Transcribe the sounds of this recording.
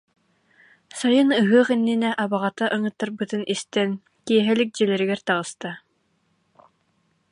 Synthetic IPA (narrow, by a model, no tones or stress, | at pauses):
sajɯnɯɦɯɐχinːinɛʔabaʁat̪aʔɯŋɯ̆t̪ːaɾbɯt̪ɯnʔist̪ɛn | kiɛɦɛlik̚d͡ʑɛlɛɾiɡɛɾt̪aʁɯst̪a